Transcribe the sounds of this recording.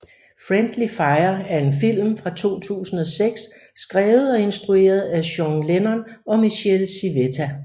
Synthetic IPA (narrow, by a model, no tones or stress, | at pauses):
fʁend̥lifɑ̈ɪɐæɐe̝nfil̰mfʁɑ̈t͡sʰo̝̰ːt͡sʰṵːsn̩ɒ̽seɡ̥sː | ɡ̥ʁɛːʊð̩ˠɒ̽e̝nsd̥ʁue̝̰ːɐð̞ˠæɕɒŋlenɐnɒ̽miɕelsiʋet͡sʰæ